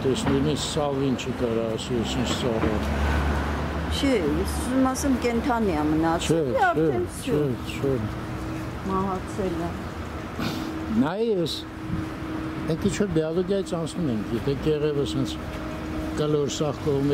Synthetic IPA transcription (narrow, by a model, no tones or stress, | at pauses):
t̪ɛsnujnissɑvint͡ʃʰikɑɾɑːsiɛsint͡ʃʰsɑrɑt̪ | t͡ʃʰɛszmɑsɛmkɛnt̪ʰɑniamənɑt͡ʃʰɛɑɾɛɛnst͡ʃʰɛ | t͡ʃʰɛ | mɑɦɑksɛlə | nɑjɛɛs | ɛŋkʰint͡ʃʰvɔɾbɛalɔɡjɑjit͡sʰɑnt͡sʰnumɛŋkʰjɛt̪ʰɛkɛʁɛvəshɛnt͡sʰ | kəlɔɾsɑχkɔʁumɛ